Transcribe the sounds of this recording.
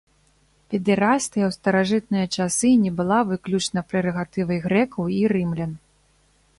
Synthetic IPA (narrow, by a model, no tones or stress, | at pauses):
pʲɛd̪ɨɾast̪ɨjɐwst̪ɐɾaʐɨt̪̚nɨjɐt͡ʂasɨnʲɛbɨlˠavɨklʲut͡ʂnɐpɾɛɾɐɣat̪ɨvɐjɣɾɛkɐwiɾɨmlʲɛn